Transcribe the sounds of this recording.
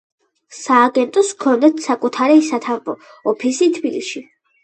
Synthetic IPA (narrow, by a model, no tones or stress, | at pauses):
saːɡɛnt̪ʼɔskʰɔnd̪ɛt̪ʰsakʼut̪ʰaɾisat̪ʰambʼɔ | ɔpʰisit̪ʰbilḭʃi